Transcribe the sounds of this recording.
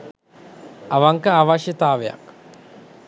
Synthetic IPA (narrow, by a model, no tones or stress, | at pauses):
aʋaŋkaaːʋaʃjət̪aːʋeja̰k